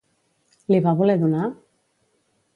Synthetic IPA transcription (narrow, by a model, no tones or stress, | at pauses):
liβaβoleðuna